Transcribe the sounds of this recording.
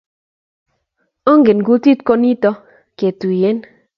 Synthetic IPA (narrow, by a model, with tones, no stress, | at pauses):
ɔ˦ŋɡɪ˨nɡu˦ti˦t̚ko˦ni˦tɔ˦ | ke˨tu˨je˨˦n